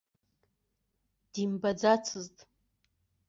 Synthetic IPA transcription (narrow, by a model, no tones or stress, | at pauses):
d̥imbad͡zat͡sʰɨztʼ